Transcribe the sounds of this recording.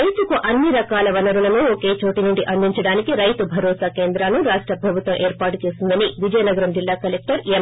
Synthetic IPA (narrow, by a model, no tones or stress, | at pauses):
ɐjt̪ukuʔɐnːiɾɐkaːlɐʋɐnɐɾulɐnuoke̞ːt͡ʃoːʈinuɳɖiʔɐnd̪ʱiɲt͡ʃɐɽaːnikiɾɐjt̪ubʱɐɾɔːsaːkeːnd̪ɾaːnuɾaːʂʈɾɐpɾɐbʱut̪ʋɐmʔeːɾpaːʈut͡ʃe̞ːsind̪ɐniʋid͡ʒɐjɐnɐɡɐɾɐmd͡ʒilːaːkɐlek̚ʈɐɾe